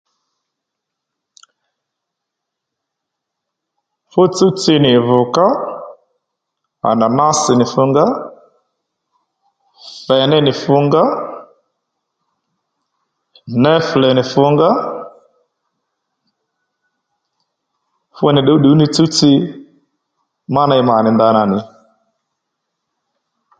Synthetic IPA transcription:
fo˦t͡su˦t͡si˦nɪ˨vʊ˨ka˦ | a̰˨na˨na˦sɪ˨nɪ˨fʊ˦ŋɡa˦ | fɛ˨nɛ˦nɪ˨fʊ˦ŋɡa˦ | nɛ˦flɛ˨nɪ˨fʊ˦ŋɡa˦ | fʊ˦nɪ˨ɗu˨u˦ɗu˨˦nɪ˦t͡su˦t͡si˦ | ma˦na˨i˧ma˨nɪ˨nd̪a˧na˨nɪ˨

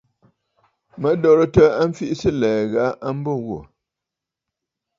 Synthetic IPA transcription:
mə˨˦dɔ˦˨ɾə˦tə˦a˦m̩˦fi˦ʔsɨ˦˨lɛː˨ɣa˨˦ʔa˦m̩˦bo˦˨ɣwo̰˨

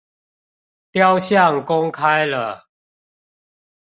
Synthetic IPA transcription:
t̪ja˦ʊɕja˥˨ŋkʊ˦ŋkʰa˦jlə˨

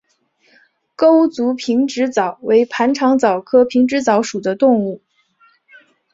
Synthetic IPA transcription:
ko˥ʊt͡su˧˥pʰi˧˥ŋʈ͡ʂɻ̩˧˥t͡sɑ˨˩˦ʊwe˧˥ɪpʰa˧˥nʈ͡ʂʰɑ˧˥ŋt͡sɑ˨˩ʊkʰɤ˥pʰi˧˥ŋʈ͡ʂɻ̩˧˥t͡sɑ˧˥ʊʂu˨˩d̪ə˦t̪ʊ˥˧ŋu˥˩

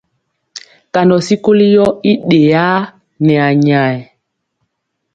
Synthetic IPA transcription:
ka˨ndɔ˨si˦ko˦li˦jɔ˦i˦ɗe˨a˦ | nɛ˨a˨ɲa˨ɛ˨

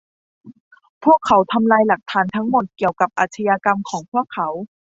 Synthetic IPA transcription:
pʰu˥˩əkʰːa˩˦wt̪ʰa˧mlaː˧jla˨˩k̚t̪ʰaː˩˦nt̪ʰa˦˥ŋmo˨˩t̪̚ki˨˩əwka˨˩p̚ʔa̰ː˨˩t̪ʰa˧jaː˧ka˧mkʰɔː˩˦ŋpʰu˥˩əkʰːa˩˦w

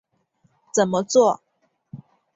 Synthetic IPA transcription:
t͡sə˨˩nmə˦t͡swɔ˥˩

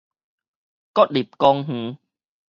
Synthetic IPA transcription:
kɔ˦˥t̚li˨˩p̚kɔ˧ŋɦ̩˨˦

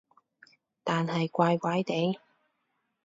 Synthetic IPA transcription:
t̪aː˨nhɐ˨jkʷaː˧jkʷaː˨˥jt̪e˨˥j

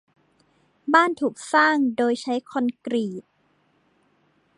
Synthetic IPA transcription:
baː˥˩nt̪ʰuː˨˩k̚saː˥˩ŋdoː˧jt͡ɕʰa˦˥jkʰo˧nkɾiː˨˩t̪̚

